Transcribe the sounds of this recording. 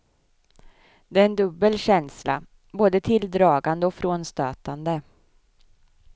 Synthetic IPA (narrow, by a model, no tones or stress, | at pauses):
d̪ɛæːɾɛnd̪ɵbːəlɕɛnsla̰ | boːd̪ət̪ʰɪld̪ɾɑːɡand̪əɔfɾoːnst̪øːt̪and̪ə